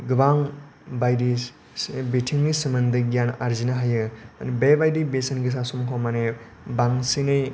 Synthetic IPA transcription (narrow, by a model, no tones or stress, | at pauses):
ɡɯbaŋ | bajdi | betʰiŋɡisimɐndɯɡjanaɾzinaɦajɯnbebajdibesɐnɡis̬asumkʰɔmane | baŋsinɯj